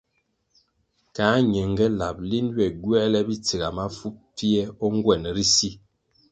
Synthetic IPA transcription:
kaː˨˦ɲe˨ŋɡɛ˦la˨p̚li˦n˦wɛ˨ɡwɛ˦lɛ˦bi˦t͡se˨ɡa˨ma˦fu˦p̚fi˦ɛ˦ɔ˦ŋ˦ɡwɛ˨n˨ɾi˦si˦

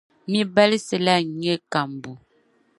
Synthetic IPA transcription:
mi˦bɛ˦li˦se˨la˦˨ɲe˦ka˨mbu˨

